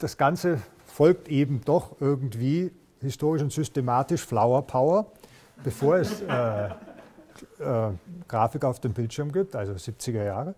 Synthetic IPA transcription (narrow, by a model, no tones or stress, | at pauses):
d̥asɡ̥ant͡sə | fɔlk̚tʔeːbm̩d̥ɔχʔɪɐɡŋ̩tv̥iː | hɪstʰoːʁɪʃʊntz̥ʏstemaːtɪʃflaʊɐpʰaʊɐ | b̥əfoːɐɛsɛː | ʔɛːɡ̥ʁaːfɪkaʊfd̥eːmbɪltʃɪɐmɡiːp̚tʔalzoz̥ip̚t͡sɪɡɐjaːʁə